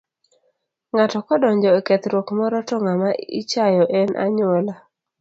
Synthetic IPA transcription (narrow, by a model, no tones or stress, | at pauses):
ŋatɔkɔdɔɲd͡ʒɔekɛt̪ɾwokmɔɾɔtɔŋamaḭt͡ʃajɔʔɛnʔa̰ɲola